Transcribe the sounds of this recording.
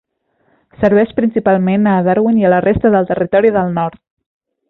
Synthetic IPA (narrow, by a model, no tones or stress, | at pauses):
səɾβɛʃpɾinsipalˠmenəːðaɾwiniələrʔest̪əðəlˠt̪ərit̪ɔɾiðəlˠnɔɾt̪̚